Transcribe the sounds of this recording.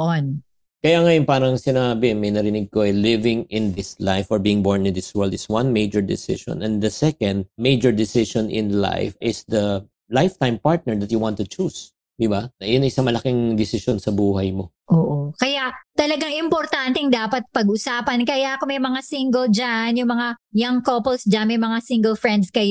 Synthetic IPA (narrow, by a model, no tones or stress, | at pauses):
on | kɐjaŋɐjonpaːɾɐŋsɪnaːbɪmɐjnɐɾɪnɪɡ̚koʔɛlɪvɪŋɪ̃nd̪ɪslajfɔɹbiːɪŋbɔɹnɪ̃nd̪ɪswɛld̪ɪswɐ̃nmejd͡ʒɛɹd̪ɪ̰sɪ̰ʃɔ̰nɛ̃nd̪ɐsɛkɐ̃nd̪̚mejd͡ʒɛɹd̪ɪsɪʃɔnʔɪ̰̃nla̰jfɪsd̪ɐ | lajft̪ãjmpaɹt̪̚nɛɹd̪ɐt̪̚jʊwãnt̪ʊt͡ʃus | d̪ɪbaɐjʊnɐɪsaŋmɐlɐkɪŋd̪ɪsɪʃɔnsɐbuːhɐjmo | ʔoːʔokɐjaʔt̪ɐlɐɡaŋɪmpoɾt̪ant̪ɛŋd̪aːpɐt̪̚pɐɡʔʊsaːpɐnkɐjaʔkomɐjmɐŋasiŋɡɛld͡ʒanjʊŋmɐŋajɐŋkopolsd͡ʒɐnmɐjmɐŋasiŋɡɛlfɹɛnd̪skɐj